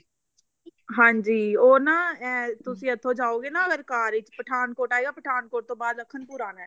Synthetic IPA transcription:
ɦãːɲd͡ʒiːoːnaːɛ̃ːt̪ʊsĩːət̪ʰːõːd͡ʒaːoːɡeːnaːəɡəɾkaːɾɪt͡ʃpəʈʰaːnkoːʈaːeːɡaːpəʈʰaːnkoːʈ̚t̪õːbaːd̪əkʰːənpuːɾaːnɛː

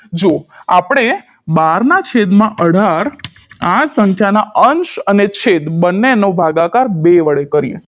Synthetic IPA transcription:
d͡ʒoapɳ̃e | baɾnat͡ʃʰed̪mãʔəɽ̤aɾ | asəŋkʰjanaʔənʃənet͡ʃʰed̪bənːenobʱaɡakaɾbeʋəɭekəɾijḛ̃

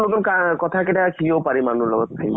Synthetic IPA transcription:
ot̪umkakɔt̪ʰakeʈakʰiopaɾimanuɾlɔɡot̪t̪ʰa

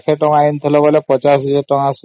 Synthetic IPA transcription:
kʰeʈɔŋajint̪ʰilɔbolepɔt͡ʃasiiʈɔŋas

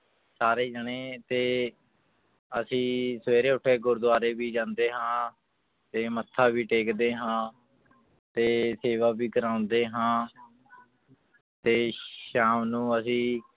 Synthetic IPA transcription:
saːɾeːd͡ʒəɳeːt̪eː | əsĩːsʋeːɾeːʊʈʰːeːɡʊɾd̪ʊaːɾeːbiːd͡ʒãːnd̪eːɦãː | t̪eːmət̪ʰːaːbiːʈeːkd̪eːɦãː | t̪eːseːʋaːbiːkəɾãːʊnd̪eːɦãː | t̪eːʃaːmnũːəsĩː

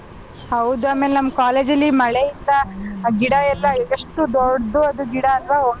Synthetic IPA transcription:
hɐwd̪uaːmeːlenɐmkaːleːd͡ʒɐlːimɐɭeind̪ɐɡiɽɐɛlːɐɡɐʂʈud̪oɽd̪uɐd̪uɡiɽɐːlʋao

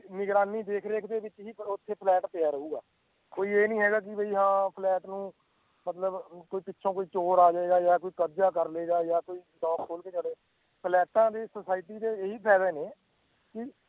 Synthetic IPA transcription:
nɪɡɾaːniːd̪eːkʰɾeːkʰd̪eːʋɪt͡ʃɦiːot̪ʰːeːpʰlɛːʈpeaːɾəuːɡa̰ː | koːiːeːnĩːɦɛːɡaːk̬ɪbeiːɦãːpʰlɛːʈnũː | mət̪ləbkoːiːpɪtːʃʰõːkoːiːt͡ʃoːɾaːd͡ʒaːeːɡaːjaːkoːiːkədd͡ʒaːkəɾleːɡaːjaːkoːiːʈɔːkʰːoːlkeːd͡ʒaːɽeː | pʰlɛːʈãːd̪eːsəːsaːɪʈiːd̪eːeɦiːpʰɛːleːneː | kɪ

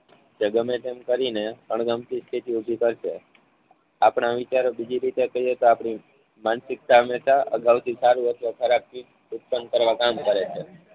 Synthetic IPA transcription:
d͡ʒəɡəmet̪emkəɾineəɳ̃ɡəmt̪ist̪ʰit̪iubʱikəɾʃe | apɳ̃aʋit͡ʃaɾobid͡ʒiɾit̪ekəɦiet̪oapɳi | mansɪk̚t̪aɦəmeʃaʔə̰ɡaʋt̪ʰisaɾuʋəsokʰəɾap̚ːi | ut̪̚pənkəɾʋakamkəɾet͡ʃʰe

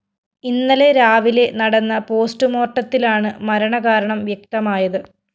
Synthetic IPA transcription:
inːɐleɾaːʋile̞nɐɽɐnːɐpo̞ːsʈɨmo̞ːrʈːɐt̪ːilaːɳɨmɐɾɐɳɐɣaːɾɐɳɐmʋjɐk̚t̪ɐmaːjɐðɨ

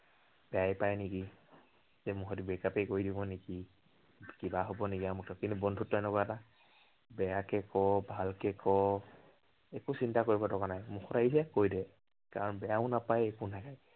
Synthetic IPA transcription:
b̥ɛajpajniki | zɛmuɦɔdibɛkapejkoɹidibɔneki | kibaɦɔbɔnekiamuk̚tʰɔkintubɔndʱutːɔɛnɔkɔata | bɛjakɛkɔbʱalkɛkɔ | ekusintakoɹibɔtɔkanajmuxʰɔtaisɛakojdɛ | kaɹɔnbɛjaʊ̃napajekunʰakaj

